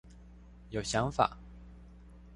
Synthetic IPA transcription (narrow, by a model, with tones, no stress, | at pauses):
jo˨˩ʊɕjɑ˧˥˦ŋfa̰˨˩˦